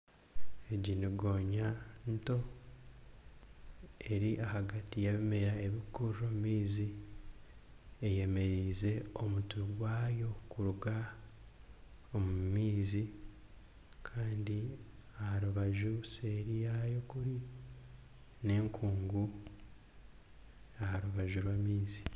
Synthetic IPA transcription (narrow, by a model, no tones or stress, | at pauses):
eɟiniɡo̞ːɲanto̞ | e̞ɾiʔahaɡatijaβime̞ɾae̞βikuromumiːzi | eje̞me̞ɾiːze̞omutuɡwaːjo̞kuɾuɡa | omumiːzi | kʰaːndi | ahaɾuβaʒuseɾijajo̞kuɾi | ne̞ːŋkʰuːŋɡu | ahaɾuβaʒuɾwamiːzi̥